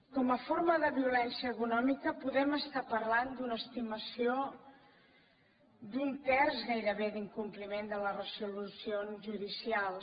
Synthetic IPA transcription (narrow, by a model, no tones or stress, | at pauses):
kɔməfoɾməðəβiulɛnsiəːkunɔmikəpuðɛməst̪apəɾland̪unəːst̪iməsio | d̪unt̪ɛrzɣajɾəβeðiŋkumplimend̪ələrəsulusionzʒuðisialˠ